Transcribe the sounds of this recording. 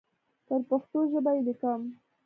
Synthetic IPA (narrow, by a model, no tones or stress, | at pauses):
t̪əɾpaxt̪oʒəbajed̪əkɑm